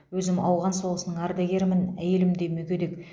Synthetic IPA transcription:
wɵzɪmɑwʁɑnsolˠəsənəɴɑɾd̪aɡʲe̞ɾmɪnæ̰je̞lɪmd̪e̞mɵkʲed̪ek

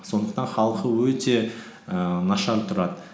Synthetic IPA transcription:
so̞nd̪əq̚t̪ɑnχɑlˠqəwɵt̪e̞ | ənɑʃɑɾt̪ʰʊɾɑd̪ə

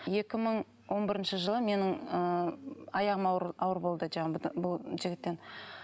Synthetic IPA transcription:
je̞kʲɪməɴ | wo̞nbɪɾɪnʃəʒəlˠəme̞nɪŋə | ɑjɑʁəmɑɑwəɾbo̞lˠd̪əd͡ʒɑbʊlˠʒɪɡʲɪt̪ːe̞n

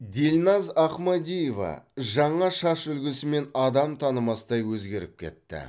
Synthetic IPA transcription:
d̪elʲnɑzɑχmad̪ʲijevɑ̰ʒɑɴɑʃɑʃʏlɡʲɪsɪme̞nɑd̪ɑmt̪ʰɑnəmɑsəd̪ɑjwɵzɡʲe̞ɾɪp̚kʲʰe̞̰t̪ːɪ̰

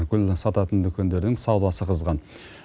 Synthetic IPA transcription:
kʲʰʏlsɑt̪ɑt̪ənd̪ʏkʲe̞nd̪e̞ɾd̪ɪŋsɑwlˠɑsəqʰəzʁɑn

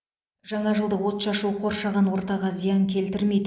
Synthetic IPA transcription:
ʒ̥ɑɴɑʒəlˠd̪əwo̞t̪ʃɑʃuwqʰo̞ɾʃɑʁɑnwo̞ɾt̪ɑʁɑzijɑŋkʲʰe̞lt̪ɪɾmed̪

